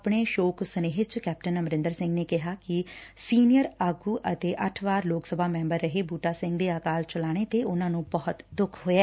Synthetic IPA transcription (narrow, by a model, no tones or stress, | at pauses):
apɽ̃eːʃoːksəneːɦɪt͡ʃkɛːp̚ʈənəmɾɪ̃nd̪əɾsɪ̃ŋɡneːkɪɦaːkɪsiːnɪjəɾaːɡuːʔət̪eːʔəʈʰʋaːɾloːksəbʱaːmɛ̃ːmbəɾːəɦeːbuːʈaːsɪ̃ŋɡd̪eːaːkaːlt͡ʃəlaːɽ̃eːt̪eːʊnãːnũːbɔːʊt̪d̪ʊkʰɦoːɛː